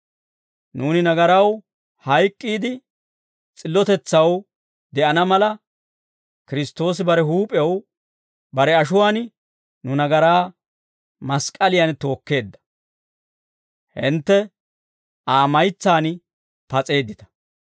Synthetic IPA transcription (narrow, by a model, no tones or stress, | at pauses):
nuːnɪnɐɡɐɾɐw | hɐjkʼːiːd̪ɪ | t͡sʼɪlːɔt̪ɛt͡sːɐw | d̪ɛʔɐnɐmɐlɐ | kɪɾɪst̪ːo̞ːs̬ɪbɐɾɛɦuːpʼɪjɐw | bɐɾɛɐʃʊwaːn | nʊnɐɡɐɾaː | mɐskʼːɐlɪjɐnt̪o̞ːkːe̞ːd̪ːɐ̥ | hɪ̰nt̪ːɛ | aːmɐjt͡sːaːn | pɐt͡sʼe̞ːd̪ːɪt̪ɐ̥